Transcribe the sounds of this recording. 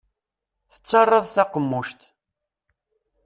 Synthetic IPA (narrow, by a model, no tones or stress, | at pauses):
θə̥t͡sːɑrˤːəðˤθɑqəmːʊʃt̪